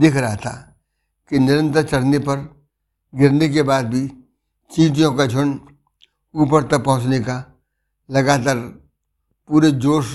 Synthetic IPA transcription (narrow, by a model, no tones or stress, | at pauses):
d̪ɪkʰɾɐɦat̪ʰa̰ | kinɪɾə̃nt̪əɾt͡ʃɐɽ̤nepɐɾ | ɡɪɾnek̬ebaːd̪̚bʱi | t͡ʃĩːt̪̬ijõkad͡ʒʱʊɳ | uːpəɾt̪ɐpɐɦʊ̃t͡ʃneka | lɐɡaːt̪̬aːɾ | puːɾed͡ʒoːʃ